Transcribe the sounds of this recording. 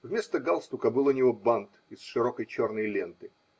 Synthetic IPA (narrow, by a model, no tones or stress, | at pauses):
vmʲe̞st̪əɡalˠst̪ukəbɨlˠʊnʲɪvobant̪ɪsʂɨɾokəjt͡ɕo̞rnəjlʲe̞nt̪ɨ